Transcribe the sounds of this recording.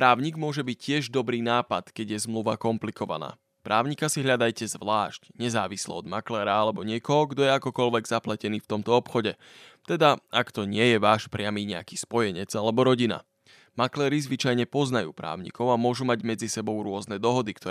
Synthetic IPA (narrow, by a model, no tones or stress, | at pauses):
pɾaːʊɲiːɡmʊɔʒɛbiccːɪɛʒd̪ɔbɾiːnaːpat̪kɛɟjɛzmluʋakɔmplikʰɔʋa̰na̰ː | pɾʔaːʊɲikasiɦʎad̪ajcɛzʋlaːʃcɲɛzaːʋislɛ̰ɔd̪maklɛːɾaalɛbɔɲɪɛkɔɦɔɡd̪ɔjɛakɔkɔlʋɛɡz̥aplacɛniːft̪ɔmt̪ɔɔpxɔɟɛ | t̪ɛd̪aakt̪ɔɲɪɛjɛʋaːʃpɾɪamiːɲɛa̰ki̥ːspɔjɛɲɛd͡zalɛbɔɾɔɟina̰ | maklɛːɾizʋit͡ʃajɲɛpɔznajṵːpɾa̰ːʊɲḭkɔʊamʊɔʒumaɟmɛd͡zisɛbɔʊɾʊɔznɛd̪ɔɦɔd̪ikt̪ɔ